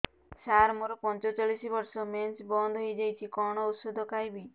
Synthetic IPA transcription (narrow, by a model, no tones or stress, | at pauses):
saɾmoɾɔpɔnt͡ʃɔt͡ʃaɭisibɔɾsɔment͡ʃbɔnd̪ʱɦojd͡ʒejt͡ʃʰikɔɽ̃ɔusud̪ʱɔkajbi